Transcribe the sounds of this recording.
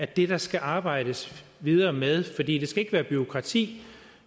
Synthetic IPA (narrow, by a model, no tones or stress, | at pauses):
æd̥e̝d̥ɑ̈sɡ̥æʔɑ̈ːb̥ɑ̈ɪ̰ɾ̥əsʋið̞ˠɐːmeð̞ˠfɒ̽d̥ḭːd̥e̝sɡ̥æe̝ɡ̥əʋæːɐb̥yo̝kʰʁɑ̈t͡sʰḭː